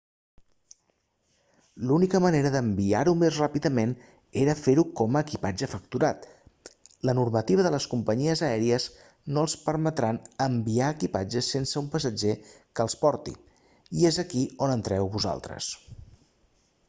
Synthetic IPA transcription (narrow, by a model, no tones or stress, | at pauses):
lunikəməneɾəðəmbiaɾumezrapiðəmen | eɾəfeɾukɔməːkipad͡ʒəfək̚t̪uɾat̪ | lənurmət̪iβ̞əðələskumpəɲiəzəɛɾiəz | noəlˠspəɾmət̪ɾanəmbiaəkipad͡ʒəsensəumpəsəd͡ʒe | kəːlˠspɔɾt̪ḭ | iezəkionənt̪ɾɛwβuza̰lˠt̪ɾə̰s